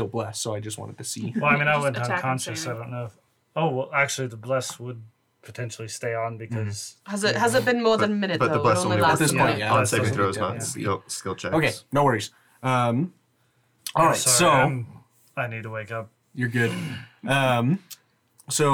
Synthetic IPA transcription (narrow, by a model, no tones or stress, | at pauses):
ɪlˠblɛsoʊaɪd͡ʒʌst̚wɑ̰̃ñtɨd̚tʰɨsiɛlˠaɪmĩnaɪwɛ̃ntʌ̃kʰɑ̃nʃɨsaɪdõʊ̃nːoʊɪf | oʊwɛlˠæk̚t͡ʃʉl̩ˠiðəblɛswəd̚ | pʰətʰɛ̃nʃl̩ˠisteɪə̃n̩bɨkʰʌz̥həzɪthəzɨt̚b̥ɨ̃nmɔɹððɨ̃nmɪ̃nɨtb̥ʌðəblɛəðɪsspʰɔ̃ɪ̃njæseɪmiθɹʉðzmãʊ̃nnḭɪskɪlˠt͡ʃʰɛoʊkʰeɪnoʊwɜ˞iz̥ | ʌ̃m | ɔlˠɹaɪtsoʊsoʊn | aɪnid̚tʰəweɪkʌp̚ | jə˞ɡʊd̥ʌ̃m | soʊ